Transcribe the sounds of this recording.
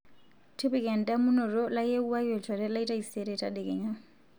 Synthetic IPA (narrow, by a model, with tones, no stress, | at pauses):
tʰi˦bi˦kʼɛ˨n̩˨tʼa˦mʊ˦nɔ˨rɔ˦la˦je˦u˦a˦wɛ˨tʰa˨ɾɛ˦la˦i˦tʼa˦ise˦ɾɛ˨tʼa̰dɛ˨kʼɛ̰˨ɲa˦